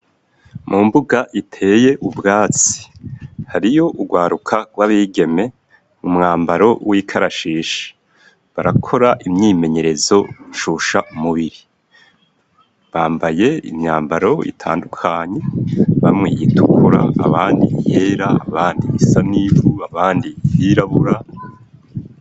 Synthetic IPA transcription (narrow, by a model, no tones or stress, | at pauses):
mʔumbuɡaʔitʰe̞je̞ʔubɡaːt͡si̥haɾijo̞ʔuɡwaːɾukʰaɡwaβiːɡe̞me̞ | mumŋaːmbaɾo̞wiːkʰaɾaʃiːʃḁ | βaɾakʰo̞ɾaʔimɲiːme̞ɲe̞ɾe̞zo̞ʃuʃaumuβiɾi | βaːmbaje̞ḭmɲaːmbaɾo̞ḭtʰa̰ːndukʰaɲe̞βamŋijitʰukʰuɾa̰a̰βaːndḭjeːɾaːβaːndiβisaniβuaβaːndijiɾaβuɾa